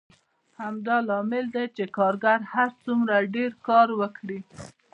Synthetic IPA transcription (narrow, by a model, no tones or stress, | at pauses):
hamd̪ɑlɑmɪld̪at͡ʃekɑɾɡaɾhaɾt͡sumɾaɖeɾkɑɾwəkɽi